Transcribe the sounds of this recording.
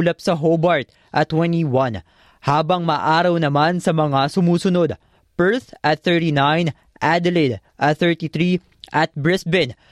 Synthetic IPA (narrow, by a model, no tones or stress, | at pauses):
lɐpsɐɦobɐɹt̪̚ | ʔɐt̪ːwɛntiwɐn | haːbɐŋmɐʔaːɾɐwnɐmansɐmɐŋasʊmuːsʊno̞d̪̚ | pɛɹθʔɐt̪θɛɹt̪inajn | ʔad̪ɛlɛd̪ʔɐθɛɹt̪it̪ɾi | ʔɐt̪̚bɹɛsbɛn